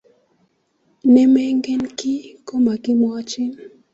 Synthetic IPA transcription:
nɛ˦me˦ŋɡe˦nkɪ˦ko˦ma˨kɪ˦m˦a˦t͡ʃɪ˦n

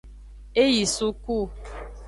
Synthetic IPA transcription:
e˦ji˨su˦ku˦˨

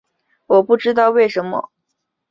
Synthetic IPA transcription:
wɔ˨˩pu˥˩ʈ͡ʂɻ̩˥t̪ɑ˥˧ʊwe˥˩ɪʂə˧˥nmə̰˧

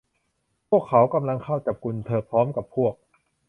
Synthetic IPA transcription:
pʰu˥˩əkʰːa˩˦wka˧mla˧ŋkʰa˥˩wt͡ɕa˨˩p̚ku˧nt̪ʰɤː˧pʰɾɔː˦˥mka˨˩pʰu˥˩ək̚

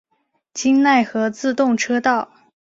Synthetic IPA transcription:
t͡ɕi˥nna˥˩ɪxɤ˧˥t͡sɹ̩˥˧t̪ʊ˥˩ŋʈ͡ʂʰɤ˥t̪ɑ˥˩ʊ

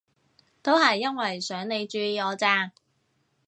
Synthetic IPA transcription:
t̪o˥whɐ˨jːɐ˥nwɐ˨˩jsœː˨˥ŋne˨˧jt͡ʃyː˧jiː˨˧ɔː˨˧t͡saː˧ŋ

